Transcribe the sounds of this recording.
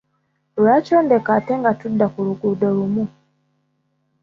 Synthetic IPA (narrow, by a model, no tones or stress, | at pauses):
luɾacoːndekateŋɡatudːakuluɡudolumu